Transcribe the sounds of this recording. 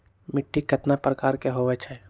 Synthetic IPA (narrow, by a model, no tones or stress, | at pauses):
mɪʈʰːikɡʰʱət̪napɾəkaːɾkeɦoʋɛt͡ʃʰɛ